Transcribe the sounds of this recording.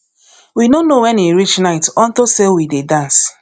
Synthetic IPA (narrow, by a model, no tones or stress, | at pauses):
winonowɛniɾit͡ʃnaɪtɔn̩tosewidedãns